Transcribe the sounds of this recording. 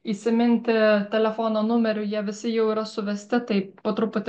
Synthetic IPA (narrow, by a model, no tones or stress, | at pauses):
isʲɪmʲɪnʲt̪ʲɪt̪ʲɛlʲɛfoːnoːnʊmʲɛɾʲʊjiɛʋʲɪsʲɪjɛʊiːɾɐsʊʋʲɛsʲt̪ʲɪt̪ɐɪpot̪ɾʊpʊt̪ʲ